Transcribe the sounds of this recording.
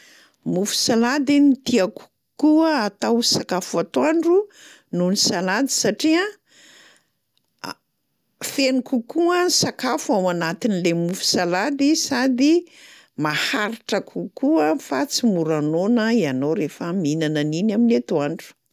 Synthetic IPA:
mufu̥salad̪init̪iaku̥ | kuəːt̪awsakafuat̪waɳɖ͡ʐu | nunisalad̪i̥saʈ͡ʂia | fenikukuənsakafuawanat̪inilemufu̥salad̪isad̪i | mahaɾiʈ͡ʂəkʰukuəfat͡simuɾanonəianoɾefəminananinaminet̪uaɳɖ͡ʐu̥

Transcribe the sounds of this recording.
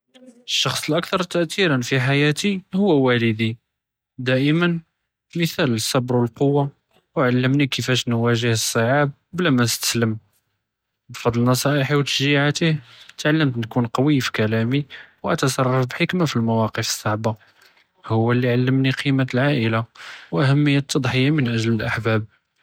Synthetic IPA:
əʃːɑxsˤəlʔək̚t̪ɑɾˤt̪ːəʔt̪iɾənfiħajæt̪ihʊwːwæləd̪i | d̪æʔəmən | məθæləsːɑbɾwəlqowːa | wʕalːəmnikəfæʃnwæʒəhəsˤːəʕab̚blæmænəst̪ə̥sləm | bfɑd̪ˤlnɑsˤɑʔəħiwt̪ə̥ʃʒiʕat̪iht̪ʕalːəmt̪nkunqɑwifi̥kælæmiwʔæt̪ɑsˤɑrˤːɑfbħəkmafilmæwɑqəfə̥sˤːɑʕbɑ | hʊwːælːiʕalːəmniqʰimət̪əlʕaʔəlawʔæhæmːəjːæt̪ʰːɑd̪ˤħəjːamənʔæʒləlʔaħbæb̚

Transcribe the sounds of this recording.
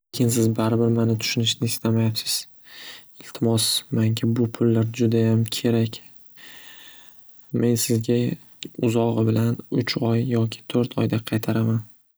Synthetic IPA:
lekʲʰɪnsɪzbaɾɪbɪɾmanɪt̪ʰʊ̥ʃʊnɪʃnɪɪst̪amajapsɪz̥ | ɪlt̪ʰɪmɒsmaŋkʲʰɪbʊpʰʊlːaɾd͡ʒʊd̪ajamkʲʰe̞ɾakʲ | me̞nsɪzɡʲa | ʊzɒʁɨbɪlanʊt͡ʃʰɒjːɒkʲʰɪ̥t̪ʰoɾt̪ʰɒ̰jd̪aqʰɑjt̪ʰaɾaman

